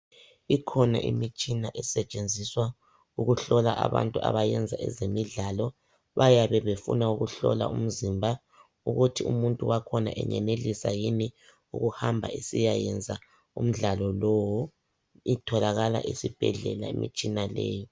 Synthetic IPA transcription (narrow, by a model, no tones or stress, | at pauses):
ikʰɔna̰ʔimit͡ʃʼinaʔɛsɛt͡ʃʼend͡zʱiswa | uɣuɬɔlaʔaβa̰ntʼua̰βajɛnd͡zʱaɛzemiɮalɔ | βajaβɛβefṵnauɣuɬɔla̰um̩zimbʱa | uɣutʰiumuntʼuwakʰɔna̰ʔɛ̰ɲɛnelisajini | ṵɣuhambʱa̰isijajɛnd͡zʱa | ṵm̩ɮalɔlowu | itʰɔlaɣala̰ʔisib̥ʱɛɮɛlaḛmḭt͡ʃʼinalḛːji